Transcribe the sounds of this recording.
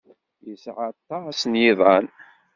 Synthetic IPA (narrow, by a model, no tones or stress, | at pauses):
jəsʕat̪ˤːɑsnjiðˤɑn